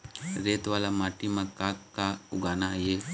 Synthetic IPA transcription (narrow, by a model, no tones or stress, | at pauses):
ɾeːt̪ʋaːlamaʈimãkaːkkːaʊɡaːnaje